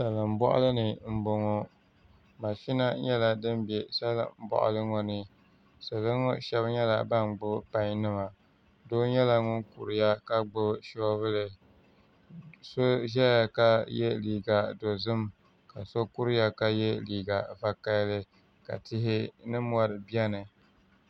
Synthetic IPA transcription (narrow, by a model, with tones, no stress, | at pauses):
sa˨lɨ˨m̩˦bɔ̰˦ʔʊ̰˦lɨ˦nɨ˨m̩˦bo˨ŋɔ˦ | ma˨ʃi˦na˦ɲɛ˦la˨dɨ˦m˦bɛ˨sa˦l̰m̩˦bɔ̰˦ʔʊ̰˦lɨ˦ŋɔ˨nɨ˦ | sa˨lɨ˦ŋɔ˦ʃɛ˦bɲɛ˦la̰˨ba˦nɡ͡bʊ˦pa˦ɲ˦nɨ˦ma˨ | doː˦ɲɛ˦la˨ŋʊ˦ŋkṵ˨ɾɪ˨ja˦ka˦ɡ͡bʊ˦ʃɔ˦bɨ˦lɨ˨ | so˦ʒɛ˦ja˨ka˦jɛ˦liː˨ɡa˨do˨zɨ˦m | ka˨so˦ku˦ɾɨ˦ja˦ka˦jɛ˦liː˨ɡa˨va˦ka˦lɨ˦ | ka̰˨tɪ˦ɦɪ˦nɨ˦m˦ɔ˦ɾɨ˨bi˦ɛ˦nɨ˨